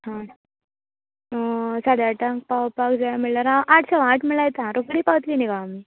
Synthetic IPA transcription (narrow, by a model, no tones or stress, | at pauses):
hã | sad̪jaʈãŋk̚paʋpakd͡zajamiɭlaɾaʔaʈʰsaʋãʈʰmiɭajet̪ãɾokɽiːpaʋət̪liːniɡami